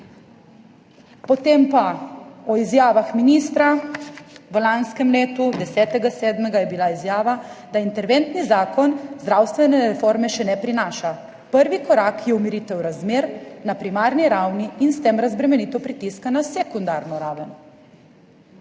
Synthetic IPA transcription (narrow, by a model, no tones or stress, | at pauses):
pɔt̪empaɔizjaːʋaxminiːst̪ɾa | ʋəlanskɛmleːt̪ud̪ɛsɛːt̪ɛɡasɛːd̪mɛɡajɛbilaizjaːʋad̪aint̪ɛɾʋɛnt̪nizaːkɔnzd̪ɾawst̪ʋɛnɛɾɛfoɾmɛʃɛnɛpɾinaːʃa | pəɾʋikɔɾaːkjɛumiɾit̪ɛwɾazmeːɾnapɾimaːɾniɾawniːnst̪emɾazbɾɛmɛnit̪ɔpɾit̪iskanasɛkund̪aɾnɔɾaːʋən